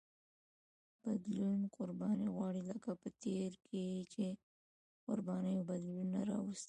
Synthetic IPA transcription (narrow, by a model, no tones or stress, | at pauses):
b̥ad̪lunqʊɾbɑniɣwɑɽiləkapət̪eɾket͡ʃe | qʊɾbɑnəjobad̪lunːaɾɑ̰wast̪i̥